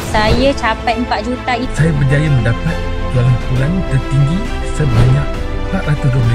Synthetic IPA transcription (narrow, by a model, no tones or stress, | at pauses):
sajət͡ʃapajəmpaʔ̪̚d͡ʒut̪aisajabərd͡ʒajamə̃ndapat̪̚duaŋanpulant̪ərt̪iŋɡi | səbaɲaʔ̚ | paʔ̪lat̪uɡəma